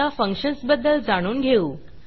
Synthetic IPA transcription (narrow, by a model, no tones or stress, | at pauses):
afəŋkʂənsbəd̪ːəld͡zaɽ̃uːnɡʱeuː